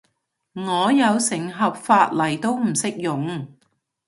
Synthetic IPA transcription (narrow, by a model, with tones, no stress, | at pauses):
ŋɔː˨˧jɐ˨˧wsɪ˨˩ŋɦɐ˨p̚faː˧t̚lɐ˨˩jt̪o˥wm̩˨˩sɪ˥k̚jʊ˨ŋ